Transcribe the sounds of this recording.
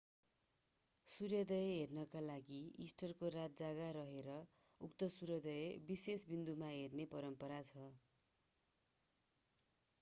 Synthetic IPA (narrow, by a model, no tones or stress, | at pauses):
surjʌd̪ʌjʌɦernʌkalaɡiisʈʌrkorat̪̚d͡zaɡaɾʌɦeɾʌ | ukt̪ʌsuɾjʌd̪ʌjebisesbind̪umaɦernepʌɾʌmpʌɾat͡sʰʌ